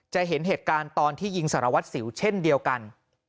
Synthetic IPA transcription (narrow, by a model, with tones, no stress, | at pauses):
t͡ɕa˨ɦe˩˦nɦeː˨˩t̪̚kaː˧nt̪ɔː˧nt̪ʰiː˥˩ji˧ŋsaː˩˦ɾa˧wa˦˥t̪̚si˩˦wt͡ɕʰe˥˩ndi˧əwka˧n